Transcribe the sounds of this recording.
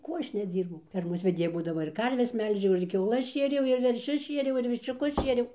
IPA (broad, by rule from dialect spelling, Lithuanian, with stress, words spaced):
ˈkuɔ ˈɐʃ nʲɛˈd͡zʲiːrbɐʊ ˈfʲɛrmoːs ʋʲɛˈdʲeːjɛ buːdɐˈmɐ ɪr ˈkɐrʲʋʲɛs ˈmʲɛlʲʒʲɛʊ ɪr kʲɛʊˈlˠɐs ˈʃʲeːrʲɛʊ ɪr ʋʲɛrʲˈʃʲʊs ˈʃʲiɛrʲɛʊ ɪr ʋʲɪʃʲt͡ʃʲʊˈkʊs ˈʃʲiɛrʲɛʊ